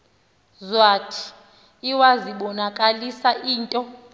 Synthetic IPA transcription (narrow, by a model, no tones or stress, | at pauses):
zwaːtʰi̥ː | waziɓɔnakʼalisaʔiːntʼɔ